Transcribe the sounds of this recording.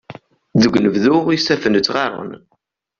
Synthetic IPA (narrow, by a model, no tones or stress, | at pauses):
ðəɡʷnəvðʊʁisæfənət͡sːʁɑrˤʊ̰n